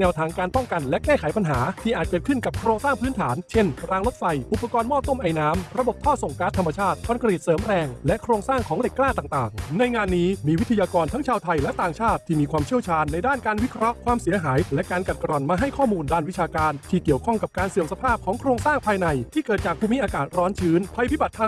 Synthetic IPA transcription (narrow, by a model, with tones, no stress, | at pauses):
nɛː˧˥wt̪ʰaː˧ŋkaː˧npɔ˥˩ŋka˧nlɛ˦˥kɛː˥˩kʰa˩˦jpa˧nɦaː˩˦t̪ʰiː˥˩ʔaː˨˩t̪̚kɤː˨˩t̪̚kʰɯ˥˩nka˨˩p̚kʰɾoː˧ŋsaː˥˩ŋpʰɯː˦˥nt̪ʰaː˩˦nt͡ɕʰe˥˩nɾaː˧ŋlo˦˥t̪̚fa˧jʔu˨˩pːa˧kɔː˧nmɔː˥˩p̚t̪o˥˩mʔa˧˩jnaː˦˥mɾa˧bo˨˩p̚t̪ʰɔː˥˩so˨˩ŋkaː˦˥t̪ʰːa˧ma˧t͡ɕʰaː˥˩t̪̚kʰɔː˧nka˧ɾi˨˩t̪̚sɤː˨˩˦mɾɛː˧ŋlɛ˦˥ʔkʰɾoː˧ŋsaː˥˩ŋkʰɔː˩˦ŋde˨˩kːlaː˥˩t̪aː˨˩ŋt̪aː˨˩ŋna˧jŋaː˧nːiː˦˥miː˧wi˦˥t̪ʰːa˧jaː˧kɔː˧nt̪ʰa˦˥ŋt͡ɕʰaː˧wt̪ʰa˧jlɛ˦˥t̪aː˨˩ŋt͡ɕʰaː˥˩t̪ʰːiː˥˩miː˧kʰwaː˧mt͡ɕʰi˥əwt͡ɕʰaː˧nːa˧jdaː˥˩nkaː˧nwi˦˥kʰɾɔ˦˥kʰwaː˧msi˨˩˦ɐɦaː˩˦jlɛ˦˥ʔkaː˧nka˨˩ka˧ɾɔ˨˩nmaː˧ɦa˥˩jkʰɔː˥˩muː˧ndaː˥˩nwi˦˥t͡ɕʰaː˧kaː˧nt̪ʰiː˥˩ki˨˩əwkʰɔ˥˩ŋka˨˩p̚kaː˧nsi˨˩əŋsa˧pʰaː˥˩p̚kʰɔː˩˦ŋkʰɾoː˧ŋsaː˥˩ŋpʰaː˧jna˧jt̪ʰiː˥˩kɤː˨˩t̪̚t͡ɕaː˨˩kpʰuː˧mi˦˥ʔaː˧kaː˨˩t̪̚ɾɔː˦˥nt͡ɕʰɯː˦˥npʰa˧jpʰi˦˥ba˨˩t̪ʰːa˧